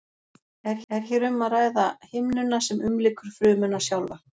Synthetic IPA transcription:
ɛɾɛɾ̥çɛɾʏmːaraːjðahɪmnʏnasɛmʏmlɪːkʏɾ̥fɾʏːmʏnasjawlva

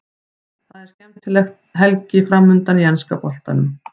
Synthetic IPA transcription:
θaðɛɾ̥scɛmt̪ʰɪlɛxt̪ɦɛlcɪfɾamːʏnt̪aniɛnskapɔl̥t̪a̰nʏm

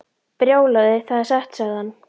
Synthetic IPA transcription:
pɾjoːwlaðɪθaðasɛht̪saðanː

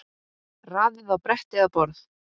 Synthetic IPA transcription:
raːðɪðawpɾɛht̪ɪɣapɔɾθ

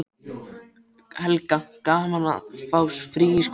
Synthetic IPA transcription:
hɛlkakaːmala̰fawsfɾiːjɪsk

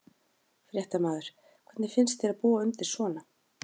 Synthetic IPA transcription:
fɾjɛht̪amaːðʏɾ̥ | kʰv̥ɛɾt̪nɪfɪnst̪θjɛɾaðpuːaʏmt̪ɪ̥svɔːna

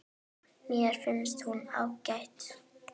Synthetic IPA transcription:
nɛːɾ̥fɪnst̪huna̰wkajt̪

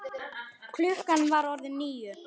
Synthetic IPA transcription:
kʰlʏhkanvaɾɔɾðɪnːiːjʏ

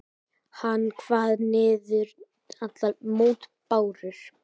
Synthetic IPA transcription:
hanːkʰvaːðnɪːðʏɾ | at̪lalmoːwt̪paːwɾʏɾ̥

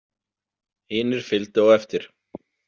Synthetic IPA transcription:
hɪːnɪɾ̥fɪlt̪ɪɔɣɛft̪ɪɾ̥

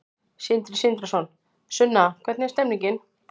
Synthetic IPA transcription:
sɪnt̪ɾɪ̥sɪnt̪ɾasɔn | sʏnːakʰvɛt̪nɪɛ̥st̪ɛmniŋcɪn

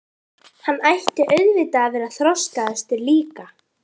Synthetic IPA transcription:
hanːajht̪ɪʔœɥɣvɪt̪aːvɛːɾaθɾɔstaðɛst̪ɪɾliːka

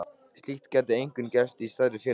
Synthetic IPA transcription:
st̪lixt̪cɛːt̪ɪejŋkʏncɛst̪ist̪aðɾɪfɪː

